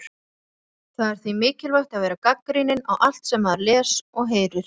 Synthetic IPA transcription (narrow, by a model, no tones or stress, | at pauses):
θaðɛɾ̥θvimɪːcɪlvajht̪aðvɛːɾakakːɾijnɪnawʔal̥t̪sɛmːaðɾlɛːsɔɣɦeːjɾʏɾ̥